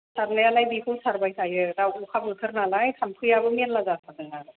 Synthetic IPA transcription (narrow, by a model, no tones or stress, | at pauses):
sʰaɾnajalajbikʰɯwsaɾbajsʰajɯdawukʰap̚ɯtʰɯɾnalajtʰampʰɯjabɯmenlazakʰadɯŋa